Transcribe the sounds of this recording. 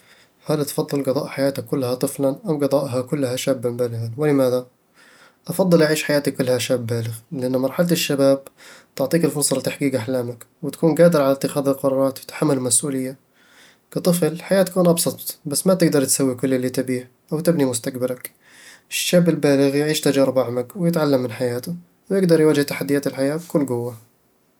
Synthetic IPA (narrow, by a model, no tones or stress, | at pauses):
halt̪fɑðˤːɨlɡɨðˤɑːʔħajaːt̪akkːʊlːhat̪ˤɨflanʔawɡɨðˤɑːʔɦakʊlːhaʃaːbːɪbaːlɪɣanwɪlɪmaːða | ʔɑfɑðˤːɨlʔaʕiːʃħajaːt̪ikʊlːhaʃaːbːaːlɪɣlɪʔanːmɑɾˤħalat̪ɪʃːabaːb̚t̪ʊʕt̪ˤiːkɪlfʊlsˤɑlɪt̪aħɡiːɡʔaħlaːmak | wɪt̪ḁkuːnɡaːd̪ɪɾʕalat̪ːɪxaːðɪlqɑɾˤɑːɾˤɑːt̪wɪt̪ḁħamːalmasʔuːlɪjːa | kɑt̪ˤɨflħajaːt̪ḁkuːnʔɑbsˤɑt̪ˤbasːmat̪ɪɡd̪ɑɾˤt̪sawːikʊlːʔɪlːit̪abiːh | ʔawt̪ɪbnimʊst̪akbalak | ʔɪʃːaːbɪlbaːlɪɣjɪʕiːʃt̪ad͡ʒaːɾɪbʔaʕmakwɪjɪt̪ʕalːamːɪnħajaːt̪ʊ | wjɪɡd̪ɑɾˤjwad͡ʒɪht̪aħad̪ːɪjaːt̪ɪlħajaːkʊlːɡʊwːa